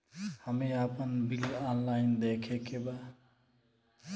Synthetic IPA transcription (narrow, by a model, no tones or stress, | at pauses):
həmeapənbilanlaɪnd̪ekʰekʰeba